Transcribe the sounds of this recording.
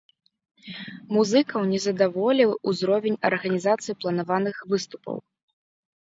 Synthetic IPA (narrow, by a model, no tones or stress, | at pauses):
muzɨkɐwnʲɛzɐd̪avɔlʲiwuzɾɔvʲɛnʲɐ̰rɣɐnʲizat̪sɨjiplˠɐnavanɨxvɨst̪u̥pɐ̰w